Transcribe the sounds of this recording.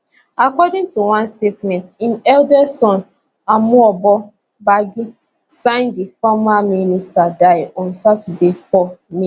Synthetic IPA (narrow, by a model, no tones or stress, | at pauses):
akɔdĩŋtuwãnstetmɛ̃ntĩnɛldɛsɔ̃n | amuɔbɔ | baɡi | sãɪ̃ndifɔmaministadaɪɔ̃nsatɛdefɔmĩ